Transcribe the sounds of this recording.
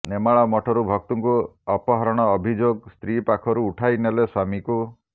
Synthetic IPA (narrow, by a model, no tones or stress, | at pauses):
nemaɭamɔʈʰɔɾubʱɔk̚t̪uŋkuɔpɔɦɔɾɔɽ̃ɔːbʱid͡ʒoɡst̪ɾipakʰɔɾuːʈʰajneleswamiku